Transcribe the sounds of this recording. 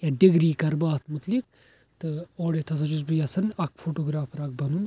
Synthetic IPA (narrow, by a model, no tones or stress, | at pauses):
jaɖiɡɾiːkɐɾbaːt̪mut̪lik̚ | t̪ɨoːɽet̪ʰɐzɐd͡ʒuzbɨjɐsɐnɐk̚fʰoːʈoːɡɾaːfɐɾɐk̚bɐnun